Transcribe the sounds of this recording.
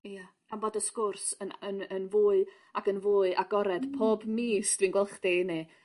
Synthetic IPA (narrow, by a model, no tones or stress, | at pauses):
ijḁ | amboːdəskʊrsənənənvuːɨ | aɡənvuːɨʔaɡɔɾɛd̥pʰoːbmiːsd̥vinɡwɛlˠχdini